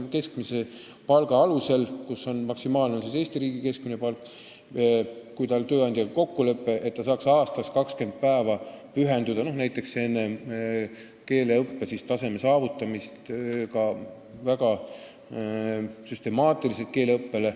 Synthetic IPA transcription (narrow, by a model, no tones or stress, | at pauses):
ke̞skmise̞ | pɑlɡ̥ɑɑluse̞lkuso̞nmɑksimɑːlnensese̞ːst̪iɾiːɡ̥ike̞sk̚mine̞pɑlkː | kujt̪ɑlt̪ø̞ːɑnd̪̥ʲjɑkɑko̞kːule̞pːe̞ʔe̞t̪t̪ːɑsɑːksɑːst̪ɑskɑkske̞nd̪̥̚pæevɑ | pyɦe̞nd̪ud̪ɑno̞hnæjt̪ːˑe̞ksenːe̞ | ke̞ːle̞ɤpːe̞sist̪ɑse̞me̞sɑːvut̪ːˑɑmist̪kɑ | væɡɑ | syst̪e̞mɑːt̪ˑilise̞t̪̚ke̞ːleɤpːe̞le̞